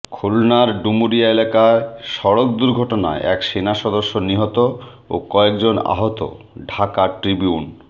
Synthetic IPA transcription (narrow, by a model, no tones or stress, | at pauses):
kʰulnaɾɖumuɾiaelakaeʃɔɾok̚d̪uɾɡʱɔʈona̰eʔɛkʃenaʃɔd̪oʃːoniɦot̪o | o̰kɔekd͡ʑona̰ɦot̪o̰ | ɖʱakaʈɾibiun